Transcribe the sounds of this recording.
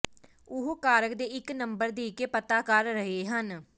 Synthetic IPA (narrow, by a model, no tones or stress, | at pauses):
ʊɦoːkaːɾəkd̪eːɪknəmbəɾd̪iːkeːpət̪aːkəɾːəɦeːɦən